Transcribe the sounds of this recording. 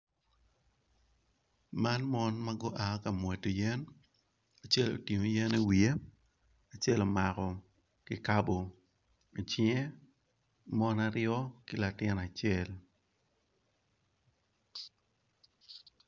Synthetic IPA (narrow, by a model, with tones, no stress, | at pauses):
ma˦nmɔ˦nma˦ɡʊ˦ʔa˨˦ka˨mwɛ˨to˨jɛ˦n | a˨t͡ʃe˦˨lo̰˨ti˨ŋo˨jɛ˦ne˦wi˨e˦ | a˨t͡ʃe˦lo˨ma˨kɔ˨ | kɪ˨ka˦bo˨ | t͡ʃɛ˦ | mɔ˦na˦ɾjɔ˦kɪ˦la˨tɪ˦na˨t͡ʃɛ˨l